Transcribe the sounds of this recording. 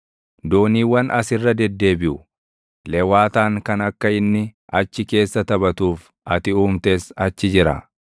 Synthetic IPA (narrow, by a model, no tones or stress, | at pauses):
d̪oːniːwɐnʔɐsɪrːɐd̪ɛd̪ːe̞ːbɪʔʊ | lɛwaːt̪aːŋkɐnɐkːɐɪnːɪɐt͡ʃːɪke̞ːsːɐt̪ɐbɐt̪uːf | ɐt̪ɪuːmt̪e̞ːsɐt͡ʃːɪd͡ʒɪɾɐ̰